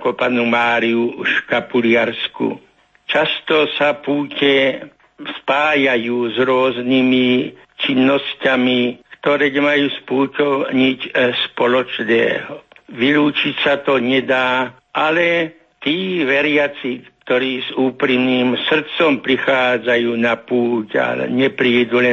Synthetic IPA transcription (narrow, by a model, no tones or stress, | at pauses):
kɔpanumaːɾiuʃkapulɪaɾskṵ | t͡ʃast̪ɔsapuːcɛ | spaːjajuːzɾʊɔznimi | t͡ʃinːɔscamikt̪ɔɾɛːɲɛmajuːspuːcɔɲicspɔlɔt͡ʃnɛ̰ːɦɔʋiluːt͡ʃicsat̪ɔɲɛd̪aː | ʔalɛ | t̪iːʋɛɾɪat͡sikt̪ɔɾiːzuːpɾimniːmsr̩t͡sɔmpɾixaːd͡zajuːnapuːca̰lɛ̰ɲɛpɾid̪ulɛ